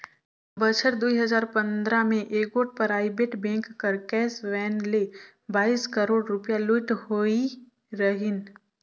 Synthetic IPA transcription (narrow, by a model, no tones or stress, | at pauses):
bət͡ʃʰəɾd̪uiɦəzaːɾpɐ̃nd̪ɾamẽʔeːɡoːʈ̚pɐɾaːibeːʈbɛ̃ːŋkːəɾkɛːsʋɛːnle | baːiːskəɾoːɽɾʊpjalʊʈhoi | ɾɐɦɪn